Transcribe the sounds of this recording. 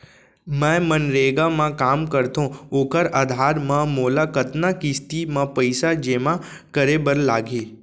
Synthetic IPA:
mɛ̃ːmənɾeːɡamãkaːmkɐɾt̪ʰõoːkəɾad̪ʱaːɾmãmoːlakət̪nakist̪imãpəɪsad͡ʒeːmãkəɾebəɾlaːɡʱeː

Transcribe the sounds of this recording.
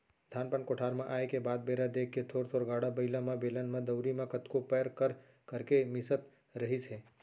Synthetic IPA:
d̪ʱaːnpənkoʈʰaːɾmẽʔaːekebaːd̪̚beːɾad̪eːkʰːet̪ʰoːɾt̪ʰoːɾɡaːɽabəɪlãmẽbeːlənmẽd̪əʊɾimẽkət̪kopɛːɾkəɾ | kəɾkemɪsət̪ | ɾəɦisɦẽː

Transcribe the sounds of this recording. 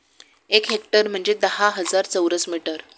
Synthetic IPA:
ekɦek̚ʈəɾm̤əɳd͡ʑed̪əɦaɦəd͡zaɾt͡səwɾəsmiʈəɾ

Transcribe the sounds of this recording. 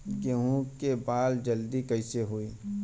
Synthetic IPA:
ɡeɦũkebaːld͡ʒɐld̪ikɐɪseɦuiː

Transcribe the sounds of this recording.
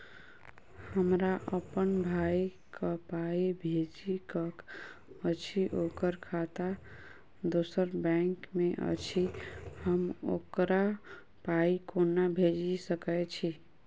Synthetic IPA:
həmɾaʔəpənbʱai | kəpaibʱed͡ʒikəkət͡ʃʰiʔokəɾkʰat̪a | d̪osəɾbɛ̃ŋkmeʔə̰t͡ʃʰihəmo̰kɾa | paikonːabʱed͡ʒisəkɛt͡ʃʰi

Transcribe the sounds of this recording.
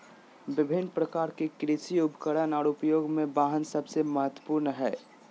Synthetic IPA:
bɪbʱɪnpɾəkaːɾkekɾisiʊpkəɽənɔːɾʊpjoːɡmẽbaːɦənsɐbseməɦət̪wə̥puːɾnɦɛː

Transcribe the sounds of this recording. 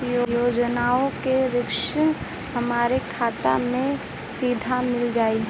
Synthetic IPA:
jojoːd͡ʒnaːõkeɾɪkʃən | hɐmaːɾekʰaːt̪a̰mẽ | siːd̪ʱamɪld͡ʒaːi

